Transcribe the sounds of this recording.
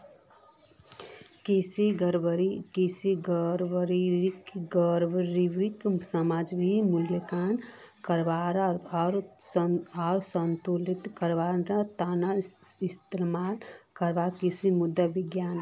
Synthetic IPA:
kisiɡəɾbəɾikisiɡəɾʋəɾiɾikɡəɾʋɾiʋiksəmaːd͡ʒbimuljəkan | kəɾbaɾɾ | ɔːɾsənt̪ulit̪kəɾʋaɾɾat̪anaist̪iɾmaːlkəɾbakisimud̪ːəbiɡjaːn

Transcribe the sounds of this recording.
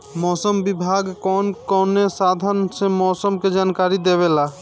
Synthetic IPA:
mɔsəmbibʱaɡkɔnkɔnesad̪ʱənsemɔːsəmked͡ʒaːnkaɾid̪eβela

